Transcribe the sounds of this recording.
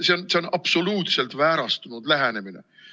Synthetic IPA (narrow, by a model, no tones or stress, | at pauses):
se̞onse̞o̞nɑb̥so̞luːt̪se̞lt̪væːɾɑst̪unud̪̥læɦæne̞mine̞̰